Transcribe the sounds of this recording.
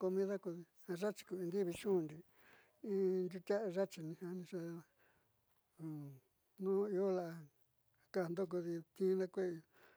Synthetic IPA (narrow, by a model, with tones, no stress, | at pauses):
ko˧mĩ˧ða˦ko˧ði˧ha˧ʐa˦t͡ʃi̥˧ku˧ĩ˧d̪i˦βi˧ʃũ˦˧nd̪i˧ | ĩ˦nd̪ʲu˧t̪ʲa˦ʔa˧ʒa˦t͡ʃi˧˨nĩ˧hã˧nĩ˧ʂa˧˨ | nũː˦i˧o˦la˨ʔa˧ | ka˦˨nd̪o˦k̬o˧ði˧t̪ĩ˦nã˦kʷe˦˧